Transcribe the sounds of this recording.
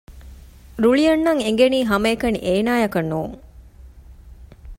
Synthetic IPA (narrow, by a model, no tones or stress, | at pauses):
ɾuɭijɐnːɐŋeŋ̆ɡeniːɦɐmɐekɐnḭʔeːnaːjɐkɐnːuːŋ